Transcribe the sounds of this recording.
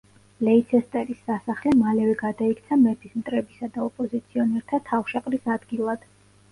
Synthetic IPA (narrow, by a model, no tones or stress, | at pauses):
lɛit̪sʰɛst̪ʼɛɾisːasaχlɛmalɛvɛɡad̪aik̚ʰt̪sʰamɛpʰismt̪ʼɾɛbisad̪aɔpʼɔzit̪sʰiɔnɛɾt̪ʰat̪ʰafʃaqʼɾisad̪̥ɡilˠad̪̥